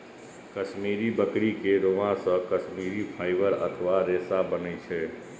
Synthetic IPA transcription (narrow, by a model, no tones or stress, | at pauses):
kəʃmiɾibəkɽikeɾoʋãsə̃kəʃmiɾipʰaːjʋəɾə̰t̪ʰʋaɾesabənəit͡ʃʰe